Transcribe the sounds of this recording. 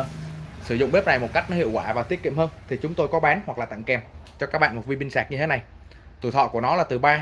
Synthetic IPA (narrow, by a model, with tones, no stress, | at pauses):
sɨ˧˩zʊ̰˧˨ŋ͡mɓe˦˥p̚na˨˩jmo˨˩t̚ka˦˥jk̟̚nɔ˨˦hḭ˧˨əwkwaː˧˩vaː˨˩t̪i˦˥ət̚kḭ˧˨mhəː˧nt̪ʰi˨˩t͡ɕʊ˨˦ŋ͡mt̪o˧jkɔ˨˦ɓaː˨˦nhwa˨˩k̚laː˨˩t̪a̰˧˨ŋkɛ˧mt͡ɕɔ˧kaː˦˥k̚ɓa̰ː˧˨mo˨˩vi˧ɓi˧ŋsaː˨˩k̚ɲɨ˧e˨˦na˨˩j | t̪ṵ˧˩t̪ʰɔ̰˧˨ku˧˩ənɔ˨˦laː˨˩t̪ɨ˨˩ɓaː˧